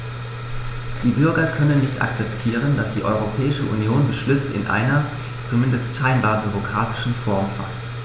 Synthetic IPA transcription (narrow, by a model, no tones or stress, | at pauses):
d̥iːbʏɐɡɐkʰœnənːɪçtʔa̰k̚t͡sɛptʰiːʁ̞ənd̥asd̥iːʔɔʏʁ̞opʰɛːɪʃəʔṵnjoːnbəʃlʏsəɪ̰nʔa̰ɪnɐ | t͡sumɪndəstʃaɪnbaːɐbyʁ̞okʁ̥aːtʰɪ̥ʃn̩fɔɐmfa̰st